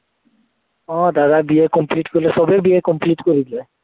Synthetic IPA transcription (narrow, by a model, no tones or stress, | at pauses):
ɔ̃d̪ad̪abiekɔmpliʈkoɾilesɔbebiekɔmpliʈkoɾile